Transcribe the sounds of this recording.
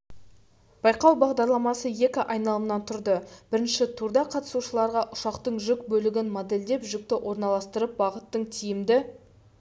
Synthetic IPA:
b̥ɑjqɑwbɑʁd̪ɑɾlˠɑmɑsəje̞kʲɪʔɑjnɑlˠəmnɑnt̪ʰʊɾd̪əb̥ɪɾɪnʃɪt̪ʰuɾd̪ɑqʰɑt̪ə̥suʃəlˠɑɾʁɑʔʊʃɑqt̪əɴʒʏkbɵlɪɡʲɪnmod̪e̞ld̪e̞pʒʏk̚t̪ɪʔwʔo̞ɾnɑlˠɑst̪əɾəp̚bɑʁət̪ːəɴt̪ʰijɪmd̪ɪ

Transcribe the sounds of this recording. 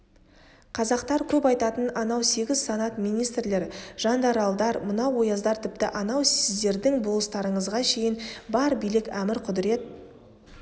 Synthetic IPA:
qʰɑzɑqt̪ɑɾkʲʰɵpɑjt̪ɑt̪ənɑnɑwse̞ɡʲɪzsɑnɑt̪mijnijst̪rle̞ɾʒ̥ɑnd̪ɑɾɑlˠd̪ɑɾmənɑwo̞jɑzd̪ɑɾt̪ʰɪpt̪ɪʔɑnɑwsɪzd̪e̞ɾd̪ɪŋbo̞lˠəst̪ɑɾəɴəzʁɑʃe̞jɪnbɑɾbijlɪkʲæmɪɾqʰʊd̪ɪɾe̞t̪̚

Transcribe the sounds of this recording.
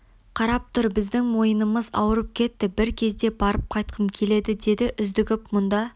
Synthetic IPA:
qʰɑɾɑp̚t̪ʰʊɾbɪzd̪ɪŋmo̞jənəməzɑ̰wəɾəp̚kʲʰe̞t̪ːɪbɪɾkʲʰe̞zd̪e̞bɑɾəp̚qʰɑjt̪̚qʰəmkʲʰe̞le̞d̪ɪd̪e̞d̪ɪʔʏzd̪ɪɡʲɪpmʊnd̪ɑ

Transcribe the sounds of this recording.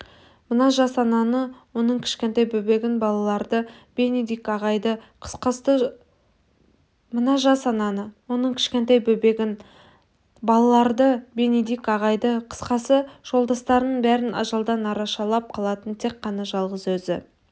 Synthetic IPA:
mənɑʒɑsɑnɑnəwo̞nəɴkʲʰɪ̥ʃkʲe̞nt̪ɑjbɵbe̞ɡʲɪnbɑlˠɑlˠɑɾd̪əb̥e̞ned̪ikɑʁɑjd̪ə | qʰə̥sqɑst̪ə | mənɑʒɑsɑnɑnəwo̞nəɴkʲʰɪ̥ʃkʲe̞nt̪ɑjbɵbeɡʲɪn | bɑlˠɑlˠɑɾd̪əbe̞ned̪ikɑʁɑjd̪əqʰə̥sqɑsəʒ̥o̞lˠd̪ɑst̪ɑɾnəɴbæɾɪnɑ̰ʒɑlˠd̪ɑnɑɾɑʃɑlˠɑp̚qʰɑlˠɑt̪ənt̪ʰe̞kqʰːɑnɑʒɑlˠʁəzwɵzɪ̰

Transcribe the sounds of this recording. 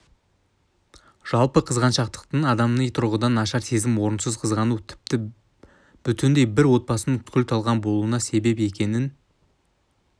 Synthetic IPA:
ʒ̥ɑlˠpəqʰəzʁɑnʃɑqt̪ə̥qt̪əɴɑd̪ɑmnəjt̪ʰʊɾʁəd̪ɑnɑʃɑɾse̞zɪmwo̞ɾənsəzqʰəzʁɑnut̪ʰɪ̥p̚t̪ɪ | b̥ʏt̪ɪnd̪e̞jbɪɾwo̞t̪̚bɑsənəŋkʲʏlt̪ʰɑlˠʁɑnbo̞lˠuənɑse̞be̞pe̞kʲe̞nɪn

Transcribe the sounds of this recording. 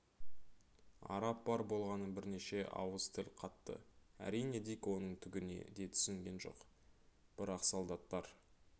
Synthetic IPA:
ɑ̰ɾɑp̚bɑɾbo̞lˠʁɑnəbɪɾne̞ʃe̞ʔɑ̰wəz̥t̪ʰɪlʲqʰɑt̪ːə̰æ̰ɾijne̞d̪ijkwo̞nəɴt̪ʰʏɡʲɪne̞̰d̪e̞t̪ʰʏ̥sɪŋɡʲe̞nʒo̞̰q | b̥ɪɾɑqsolˠd̪ɑt̪ːɑɾ

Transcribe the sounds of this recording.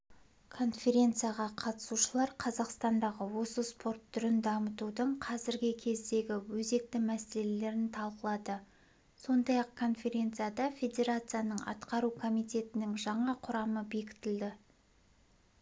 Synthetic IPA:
kʰo̞nfʲe̞ɾʲe̞nt̪sɨjaʁɑqʰɑt̪ə̥suʃəlˠɑɾqʰɑzɑqst̪ɑnd̪ɑʁəwo̞səspo̞rt̪ʰːʏɾɪnd̪ɑmət̪ud̪əɴqʰɑzɪɾɡʲɪkʲʰe̞zd̪e̞ɡʲɪwɵze̞k̚t̪ɪmæsele̞le̞ɾɪnt̪ʰɑlˠqəlˠɑd̪ə | so̞nd̪ɑjɑq̚kʰo̞nfʲe̞ɾʲe̞nt̪sɨjad̪ɑfʲe̞d̪ʲe̞ɾat̪sɨjanəɴɑ̰t̪qɑɾukʰo̞mijt̪ʲe̞t̪ɪnɪŋʒɑɴɑqʰʊɾɑməbe̞kʲɪ̥t̪ɪld̪ɪ

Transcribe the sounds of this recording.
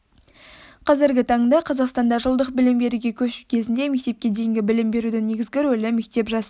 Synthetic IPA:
qʰɑzɪɾɡʲɪt̪ʰɑɴd̪ɑqʰɑzɑqst̪ɑnd̪ɑʒəlˠd̪əq̚bɪlɪmbe̞ɾuɡʲe̞kʲʰɵʃu̥kʲʰe̞zɪnd̪e̞me̞k̚t̪e̞p̚kʲe̞d̪ejɪŋɡʲɪbɪlɪmbe̞ɾud̪ɪne̞ɡʲɪzɡʲɪɾɵlɪme̞k̚t̪e̞pʒɑs

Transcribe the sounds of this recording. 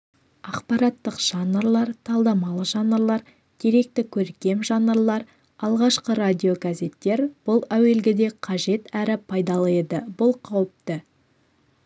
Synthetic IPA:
ɑqpɑɾɑt̪ːəqʒ̥ɑnːəɾlˠɑɾt̪ʰɑlˠd̪ɑmɑlˠəʒɑnəɾlˠɑɾ | d̪̥ʰe̞ɾe̞k̚t̪ɪkʲʰɵɾkʲe̞mʒɑnəɾlˠɑɾ | ɑlˠʁɑʃqəɾad̪ʲio̞ɡaze̞t̪ːe̞ɾb̥ʊlˠæwe̞lɡʲɪd̪e̞qʰɑʒe̞t̪æɾɪpʰɑjd̪ɑlˠɑjed̪əbʊlˠqʰɑwəp̚t̪ə

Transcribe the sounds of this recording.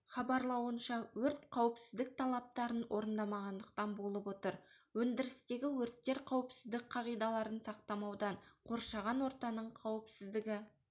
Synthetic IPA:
χɑbɑɾlˠɑwənʃɑwɵɾt̪qʰɑwəpsɪzd̪ɪk̚t̪ʰɑlˠɑp̚t̪ɑɾənwʔo̞ɾənd̪ɑmɑʁɑnd̪əq̚t̪ɑnbo̞lˠəpwo̞t̪əɾ | wɵnd̪ɪɾɪst̪e̞ɡʲɪwɵɾt̪ːe̞ɾqʰɑwəpsɪzd̪ɪk̚qʰɑʁijd̪ɑlˠɑɾənsɑqt̪ɑmɑwd̪ɑɴqʰo̞ɾʃɑʁɑnwo̞ɾt̪ɑnəɴqʰɑwəpsɪzd̪ɪɡʲɪ

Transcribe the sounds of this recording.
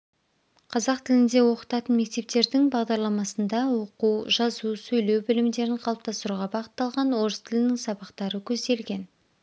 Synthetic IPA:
qʰɑzɑqt̪ʰɪlɪnd̪e̞wo̞qə̥t̪ɑt̪ənme̞k̚t̪e̞p̚t̪e̞ɾd̪ɪŋbɑʁd̪ɑɾlˠɑmɑsənd̪ɑwo̞quwʒɑzusɵjle̞wbɪlɪmd̪e̞ɾɪɴqʰɑlˠəp̚t̪ɑst̪əɾuʁɑbɑqət̪ːɑlˠʁɑnwo̞ɾəst̪ʰɪlɪnɪŋsɑbɑqt̪ɑɾəkʲʰɵzd̪e̞lɡʲe̞n

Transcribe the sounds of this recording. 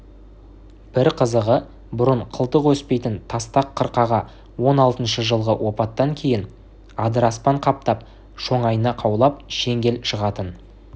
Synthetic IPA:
b̥ɪɾqʰəzəʁə | bʊɾəɴqʰəlˠt̪əqwɵspe̞jt̪ɪnt̪ʰɑst̪ɑqʰːəɾqɑʁɑ | wo̞nɑlˠt̪ənʃəʒəlˠʁəwʔo̞pɑt̪ːɑŋkʲʰe̞jɪn | ɑd̪əɾɑspɑɴqʰɑp̚t̪ɑp̚ | ʃo̞ɴɑjənɑqʰɑwlˠɑp̚ʃe̞ŋɡʲe̞lʃəʁɑt̪ən

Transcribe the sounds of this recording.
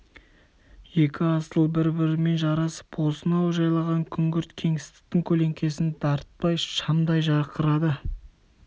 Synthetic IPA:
je̞kʲʰɪɑst̪əlˠbɪɾbɪɾɪme̞nʒɑɾɑsə̥pwo̞sənɑwʒɑjlˠɑʁɑŋkʲʰʏŋɡʲɪɾt̪kʲʰe̞ŋɪst̪ɪ̥k̚t̪ɪŋkʲʰɵle̞ŋkʲe̞sɪnd̪̥ɑɾt̪̚pɑjʃɑmd̪ɑjʒɑɾqʰəɾɑd̪ə

